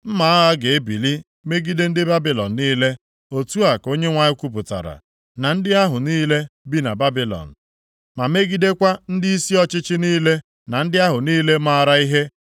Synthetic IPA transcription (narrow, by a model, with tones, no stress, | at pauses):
m̩˦ma˨˦a˦ɡe˨e˦bi˨li˦ | me˦ɡi˦de˦n̩˦dɪ˦ba˦bi˨lɔ̰˨n̩˨niː˦le˦ | o˨tu˦a˨ko˦ɲe˦ŋʷa˨ɲɪ˦kʷu˦p̬ʊ˨ta̰˨ɾa̰˨ | na˨n̩˦dɪ˦a˦ɦʊ˨niː˦le˦bi˦na˨ba˦bi˦lɔ̰˨n̩˨ | ma˨me˦ɡi˦de˦kʷa˦n̩˦dɪ˦i˦si˦ɔ˦t͡ʃɪ˦t͡ʃɪ˦niː˦le˦ | na˨n̩˦dɪ˦a˦ɦʊ˨niː˦le˦ma˦ɾa˦i˦ɦe˦